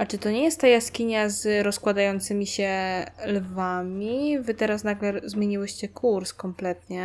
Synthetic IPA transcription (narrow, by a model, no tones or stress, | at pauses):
ʔat͡ʂɘt̪ɔɲɛjɛst̪ːajaskʲiɲazɾɔskwad̪ajɔnt̪sɘmʲiɕɛlvamʲivɘt̪ɛɾasnaɡlɛzmʲeɲiwɘɕt͡ɕɛkʰuɾskɔmplɛt̪̚ɲɛ